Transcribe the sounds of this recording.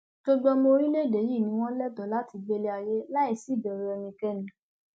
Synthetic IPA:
ɡ̥o˧ɡ͡bɔ˧mo˧ɾi˦le˦˨de˨˦ji˦˨nĩ˨˦w̃ɔ̃˦lɛ˦dɔ˨la˦ti˧ɡ͡be˧le˧˦a˧je˦la˦i˦˨si˨˦˨dɛ˨ɾe˧ɛ˧mĩ˧kɛ˦˨nĩ˨˦

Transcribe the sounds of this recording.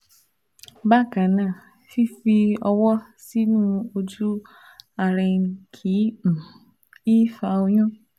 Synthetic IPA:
ba˦kã˨nã˨ | fi˦fi˧ɔ˦wɔ˦ | si˦nũ˦o˦d͡ʒu˦ | a˨ɾɪ˨ŋ̩˨˦kʰi˨˦m̩˨ | i˦fa˨o˦ɲɔ̃˦

